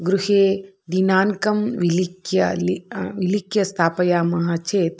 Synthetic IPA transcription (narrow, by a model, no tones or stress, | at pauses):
ɡɾuheː | d̪inaːnkɐmʋilikjɐliʋilikjɐst̪ʰaːpɐjaːmɐɦaːt͡ʃʰeːt̪